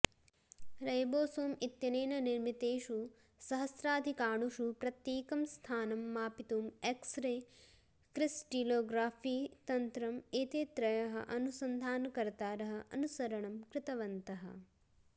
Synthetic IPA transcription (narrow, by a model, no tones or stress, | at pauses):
ɾɐjboːsoːmit̪jɐneːnɐniɾmit̪eːʃu | sɐɦɐsɾaːd̪ʱikaːɳuʃupɾɐt̪jeːkɐmst̪ʰaːnɐmːaːpit̪uːmeksɾeː | kɾisʈiloːɡɾaːfiːt̪ɐnt̪ɾɐmeːt̪eːt̪ɾɐjɐɦɐ̰ʔɐnusɐnd̪ʱaːnɐkɐɾt̪aːɾɐɦɐ̆ʔɐnusɐɾɐɳɐmkɾɪt̪ɐʋɐnt̪ɐɦɐ̰